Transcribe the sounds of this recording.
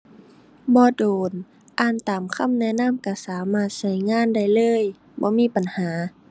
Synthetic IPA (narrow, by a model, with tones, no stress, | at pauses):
bɔː˧˦doː˨n | ʔaː˧˩nt̪aː˨mkʰa˧˥˨mnɛ˧˥˨na˧˥˨mka˧˩saː˨˦maː˧˩t̪̚sa˧˩jŋaː˧˥˨nda˧˩jlɤː˧˥˨j | bɔ̰ː˧˦miː˧˥˨pa˨nhaː˨˦